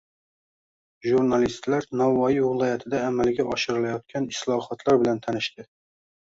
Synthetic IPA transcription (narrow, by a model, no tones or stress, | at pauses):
ʒuɾnalist̪laɾnɒvɒjivɪlˠɒjat̪ʰɪd̪aːmalɡʲaʔɒʃɪɾɪlajɒt̪̚kʲʰanɪslˠɒhɒt̪ʰlˠaɾbɪlant̪ʰanɪʃt̪ɪ